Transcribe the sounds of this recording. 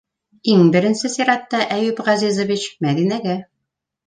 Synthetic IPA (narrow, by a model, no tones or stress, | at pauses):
iŋbɘ̆ɾɘ̆nsɘsiɾɑt̪ːɑʔæjɘpʁɑzizə̆vit͡ɕmæd̪inæɡæ